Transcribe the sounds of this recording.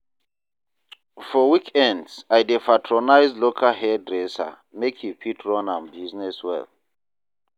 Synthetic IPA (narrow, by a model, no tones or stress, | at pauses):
fɔwikʰɛ̃ndsajdepʰatʰɹonajzdlokʰalhɛdɹɛsa̰ | mekʰipʰitʰɹɔ̃nãnbiznɛswɛ̰l